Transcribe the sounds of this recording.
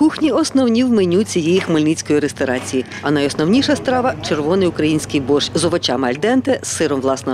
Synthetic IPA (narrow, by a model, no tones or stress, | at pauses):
kuxnʲiɔsnɔwnʲiwmenʲut͡sʲijɛjixmɪlʲnit͡sʲkɔjiɾest̪ɔɾɑt͡sʲiji | ɐnɐjɔsnɔwnʲiʃɐst̪ɾɑʋɐt͡ʃerʋɔnɪjʊkɾɐjinʲsʲkɪjbɔʃzɔʋɔt͡ʃɑmɪɐlʲd̪ɛnt̪ɪsːɪɾɔmʋlˠɑsnɔ